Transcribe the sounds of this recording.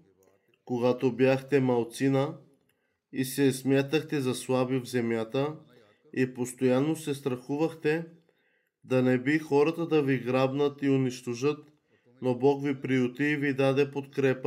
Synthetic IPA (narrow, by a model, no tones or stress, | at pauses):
koɡat̪objaxt̪ɛmɐlˠt̪sinə | isɛsmʲjat̪əxt̪ɛzɐslˠabivzɛmjat̪ə | ipost̪ojanːosɛst̪ɾɐxuvɐxt̪ɛ | d̪ɐnɛbixɔɾət̪əd̪ɐviɡɾabnət̪ioniʃt̪oʒət̪ | nobɔkvipɾiut̪iːvid̪ad̪ɛpot̪kɾɛpə